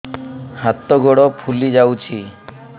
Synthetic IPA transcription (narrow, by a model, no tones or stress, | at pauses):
hat̪ɔɡɔɽɔpʰulid͡ʒawt͡ʃʰi